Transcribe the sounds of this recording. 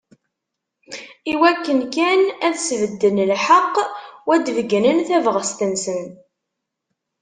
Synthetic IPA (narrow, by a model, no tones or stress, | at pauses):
iwækːənkænæðsvəd̪ːənlħəqːwæd̪vəɡənənθævʁəst̪ənsən